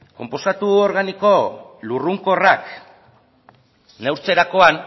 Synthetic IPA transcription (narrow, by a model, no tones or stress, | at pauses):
ko̞mpo̞sat̪uoɾɣaniko̞luruŋko̞rak | newɾt͡se̞ɾako̞an